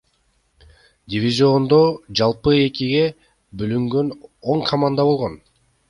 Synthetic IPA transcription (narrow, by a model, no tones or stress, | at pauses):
dʲɪvʲizʲio̞nd̪o̞d͡ʒɑlˠpɯe̞kiɡe̞ | bølyŋɡø̞no̞ŋkʰɐmand̪aβo̞lˠʁon